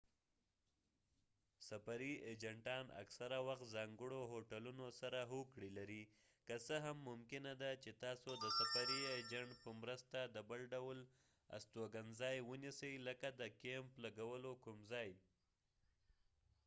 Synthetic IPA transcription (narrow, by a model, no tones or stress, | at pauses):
sapaɾied͡ʒaɳʈɑna̰ksaɾawaxt̪zɑŋɡəɽoɦoʈalunosaɾaɦokɽilaɾi | kəsəɦamːʊmkɪnad̪at͡ʃet̪ɑsod̪əsafaɾied͡ʒaɳʈpəmɾəst̪ad̪əbəlɖawl | a̰st̪oɡanzɑjwənisəjləkad̪əkemplaɡawəlokumzɑj